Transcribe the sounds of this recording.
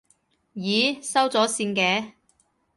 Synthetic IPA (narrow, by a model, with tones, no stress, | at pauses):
jiː˨˧sɐ˥wt͡sɔː˨˥siː˧nkɛː˨˧